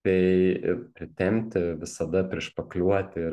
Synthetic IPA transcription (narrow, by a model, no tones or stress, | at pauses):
t̪ʲɛɪpʲɾʲɪt̪ʲɛmʲt̪ʲɪʋʲɪsɐd̪ɐpʲɾʲiɛʃpɐklʲuɔt̪ʲɪ